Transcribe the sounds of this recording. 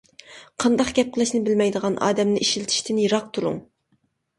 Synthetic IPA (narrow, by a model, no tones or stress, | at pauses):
qʰɑnd̪ɑqɡʲɛp̚qʰəlˠɪʃnɪbɪlmɛjd̪əʁɑnʔɑ̰ːd̪ɛmnɪʔiʃilt̪ʰi̥ʃt̪ʰɪnjiɾɑq̚t̪ʰuɾṵŋ